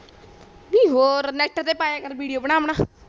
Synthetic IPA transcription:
mĩːɦoɾnɛʈːət̪epajakəɾʋiɽijobəɳaːmna

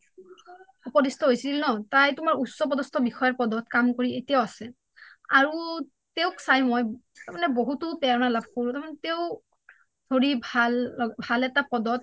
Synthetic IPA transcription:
upɔdistʰɔɦojsilnɔtajtʊmaɹusɔpɔdɔstɔbixɔjaɹpɔdɔtkamkoɹietijaʊasɛ | aɹu | teʊksajmoj | tamanɛboɦutʊpɛɔnalabʱkoɹʊ̃taɹmanɛteʊ | dʱoɹibʱalːɔɡbʱalɛtapɔdɔt̚

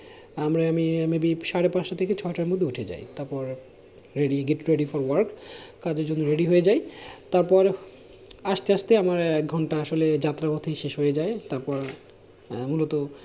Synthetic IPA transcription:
amɾaamimebiʃaɾepãʃat̪ʰeket͡ɕʰɔeʈaɾɾmod̪ʱːeuʈʰed͡ʑa̰jt̪aɾpɔɾ | ɾeɖiɡeʈɾeɖifɔɾwaɾkkad͡ʑeɾd͡ʑonːoɾeɖiɦojed͡ʑajt̪aɾpɔɾ | aʃt̪eaʃt̪eamaɾɛk̚ɡʱɔɳʈaaʃoled͡ʑat̪ːɾabot̪ʰiʃeʃɦojed͡ʑaet̪aɾpɔɾ | mulot̪o

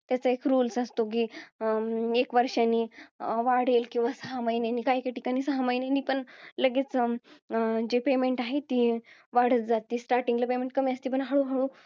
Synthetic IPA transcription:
t̪jat͡saekɾuːlsəst̪ok̬iː | ekʋəɾʂanːiʋaɽ̤elkĩw̃ʋasəɦaməjneniːkaikaʈikaniːsəɦaməjneniːpəɳləɡet͡s | d͡ʑepemeɳʈaɦet̪iːʋaɽ̤ət̪̚d͡zat̪ːiːsʈaɾʈĩŋɡləpemeɳʈ̚kəmiəst̪iːp̬əɳɦaɽuɦaɽu

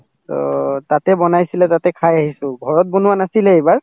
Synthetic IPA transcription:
tɔ̰tatɛbɔnajsilɛtatɛkʰajaɦisʊ̃ɡʱɔɹɔt̚bonʊwanasilɛejbaɹ

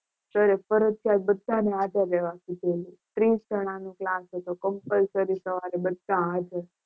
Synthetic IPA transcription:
ʃəɾefəɾəd͡ʒk̪ʰjalbəd̪ʱːanead̪əɾːeʋakid̪ʱelũt̪ɾisd͡ʒʱəɽ̃ãnũklasɦet̪okəmpəlsəɾisəʋaɾebəd̪ʱːãad̪ʱəɾ

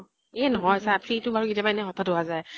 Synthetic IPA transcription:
ɛnɔɦɔjsapʰɹitʊbaɹukitijabaɛnɛxɔtʰadʊɦazaj

